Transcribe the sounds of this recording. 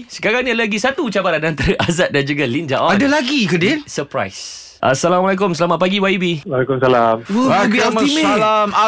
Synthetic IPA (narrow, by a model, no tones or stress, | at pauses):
sə̥kaɾaŋniadalaɡisat̪ut͡ʃabaɾanant̪aɾəʔazat̪̚dand͡ʒuɡalind͡ʒaʔɔadalaɡikədensəpɾa̰js | ʔa̰salamalakʊmsəlamat̪̚paɡiwaibiwalekʊmsalamwakbiamimelama